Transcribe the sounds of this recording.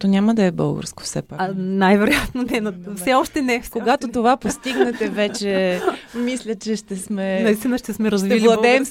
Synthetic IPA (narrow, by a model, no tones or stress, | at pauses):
t̪ɔnʲaməd̪ɐɛbɤ̰lˠɡə̰ɾsko̥fsɛ̰pakanajvɛɾojat̪nonɛnɐfsɛɔʃt̪ɛnɛfkoɡat̪ot̪ovapost̪iɡnɛt̪ɛvɛt͡ʃɛmislʲət͡ʃɛʃt̪ɛsmɛnɐist̪inəʃt̪ɛsmɛɾɐzvililˠɐd̪ɛːm